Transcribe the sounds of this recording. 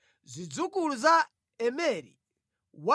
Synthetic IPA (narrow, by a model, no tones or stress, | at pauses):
zʷid͡zukuluza | ɛmɛɾḭ | wa